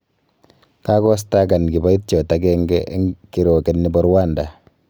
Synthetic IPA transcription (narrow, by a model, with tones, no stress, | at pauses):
ka˦kɔ˦s̬taka˨nki˨ba˦i˦t̚t͡ʃɔ˨ta˦kɛ˦ŋɡɛ˦ʔŋki˨ɾɔ˨kɛ˨nːi˨bɔ˦ɾwa˦nda˨